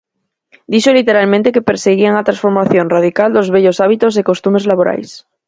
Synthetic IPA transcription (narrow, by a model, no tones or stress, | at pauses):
d̪iʃolit̪e̞ɾalmẽnt̪e̞kepeɾseɣiaŋat̪ɾasfo̞ɾmaθjõnrað̞ikald̪ozβeʎo̞saβ̞it̪ozeko̞st̪ume̞zlaβoɾa̰js